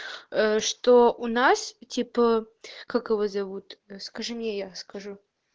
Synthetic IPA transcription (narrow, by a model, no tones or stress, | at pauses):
əʂt̪oʔʊnastʲipə | kakɨvozɐvut̪əskɐʐɨmnʲejaskɐʐu